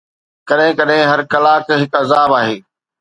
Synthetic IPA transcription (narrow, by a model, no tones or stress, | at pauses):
kɐɗɦɪ̃kɐɗɦɪ̃ɦɐɾkɐlaːkɦɪkɐzaːbaːɦeː